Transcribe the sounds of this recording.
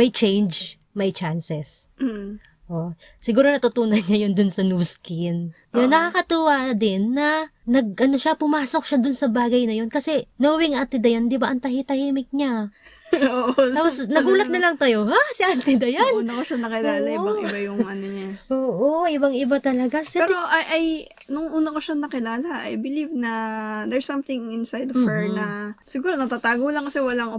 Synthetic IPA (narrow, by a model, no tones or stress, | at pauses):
mɐjt͡ʃɛjnd͡ʒ | mɐjt͡ʃansɛs̩ | ʔo | sɪɡuːɾonɐt̪ʊt̪uːnɐnɲajond̪ʊnsɐnuːskɪn | jonɐkɐkɐt̪uwad̪ɪnːɐnɐɡ̚ʔɐno̞ʃapʊmaːso̞k̚ʃad̪ʊnsɐbaːɡɐjnɐjo̞nkɐsɛnɐwɐwɪŋʔant̪ɪd̪ɐjand̪ɪbɐʔɐŋt̪ɐhit̪ɐhiːmɪk̚ɲa | oʔ̪aːposnɐɡuːlɐt̪nɐlɐŋt̪ɐjo̞hasɐʔant̪ɪd̪ɐjanuːnɐkoʃanɐkɪlaːllɐʔɪaŋɪbajʊŋʔɐnoɲaʔoːʔoʔɪbaŋʔɪbat̪ɐlɐɡaɐpɛɾoʔɐʔɐj | nʊŋʔuːnɐkoʃanɐkɪlaːlɐʔɐ̰jbɪlivnɐd̪ɛɹsːɐmθɪŋɪnsajd̪fɛɹnɐsɪɡuːɾonɐt̪at̪aːɡolɐŋkɐsɛwɐlaŋ